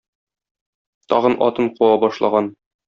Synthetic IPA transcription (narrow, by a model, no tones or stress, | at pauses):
t̪ɒ̰ʁɤnɒ̰t̪ɤɴquwɑbɒʃlˠɑʁɑn